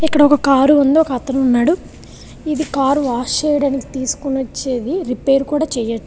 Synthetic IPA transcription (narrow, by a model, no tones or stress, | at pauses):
ikːɐɽɐɔkɐkaːɾuund̪iɔkɐɐt̪ːɐnunːaːɽu | id̪ikaːɾaːʃeːjɐɽaːniki̥t̪iːsu̥kunot͡ʃːe̞ːd̪iɾipe̞ːɾukuːɽaːt͡ʃɛːjɐʈːu